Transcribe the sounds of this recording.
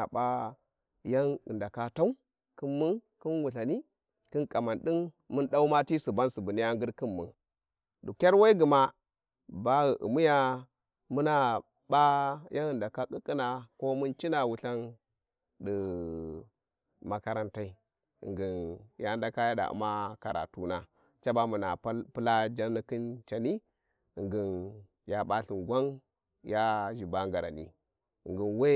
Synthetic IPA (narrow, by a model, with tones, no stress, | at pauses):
a̰˨ba˦ | ja˦nɨ˨nda˨ka˦ta˦u˦ | kɨ˦mːu˦nki˦nwu˨ɬa˨ni˦ | kɨ˦nkʼa˨ma˨nɗi˦n | mu˦nɗa˦u˦ma˦ti˦su˨ba˦nsu˨bu˨ni˦ja˦ŋɡɨ˦ɾki˦mːṵ˨n | du˨kʲa˦ɾwa˦i˦ɡu˨ma˦ | ba˦ɣə˨ʔṵ˨mu˦ja˦ | mu˦na˦ | ba˦jʔa˦nɨ˨nda˨ka˦kʼɨ˦kʼːi˦na˨ko˦mu˦nt͡ʃi˦na˨wu˨ɬa˦n | də˨ | ma˨ka˦ɾa˦nta˦i˦ | ḭ˨ŋɡi˨nja˦da˨ka˦ja˦da̰˨ʔṵ˦ma˦ka˨ɾa̰˨tu˦na˨ | t͡ʃa˦ba˦mu˨na˨˦pɨ˦la˦d͡ʒa˦nː˦i˦kɨ˦nt͡ʃa˨ni˦ | i˨ŋɡi˨n | ja˨ɓa˦ɬi˨nɡʷa˦n | ja˦ʒi˨ba˦ŋɡa˨ɾa̰˨nḭ˦ | ḭ˨ŋɡi˨nwe˦